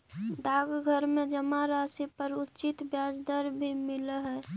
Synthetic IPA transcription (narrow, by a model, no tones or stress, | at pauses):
d̪aːɡɡʱəɾmẽd͡ʒəmaɾaːsipəɾʊtːt͡ʃɪt̪bjaːd͡ʒd̪əɾbʱimɪləɦɛː